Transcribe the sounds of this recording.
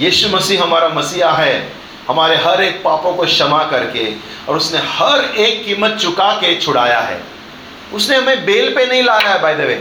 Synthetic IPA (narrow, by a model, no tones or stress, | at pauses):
jiːʃumɐsiːɦɦɐmaːɾamɐsiːaɦɛ | hɐmaːɾeɦɐɾeːk̚paːpõkoʃɐmakɐɾke | ɔːɾʊsnehɐɾeːkːiːmːət̪̚t͡ʃʊkaket͡ʃʰʊɽa̰ːja̰ɦɛ̰ː | ʊsneɦɐmẽbeːlpenɐɦĩlaːjaɦɛbʱaːjd̪eʋḛː